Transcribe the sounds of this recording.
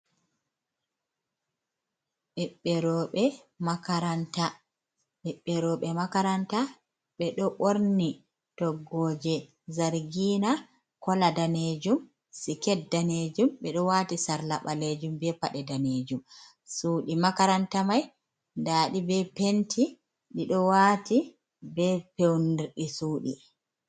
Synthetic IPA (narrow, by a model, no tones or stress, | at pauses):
ɓɛɓːɛɾɔɓɛ | makaɾanta | ɓɛɓːɛɾɔɓɛmakaɾanta | ɓɛɗɔʔoɾnni | tɔɡɔːd͡ʒɛ | zaɾɡiːna | kɔladaned͡ʒum | sikɛtdaned͡ʒumɓɛɗɔwatisaɾlaɓaled͡ʒumbɛpaɗɛdaned͡ʒum | suːɗimakaɾantamaj | ndaːɗibɛpentʰi | ɗiɗɔwati | bɛpewniɾɗisuːɗi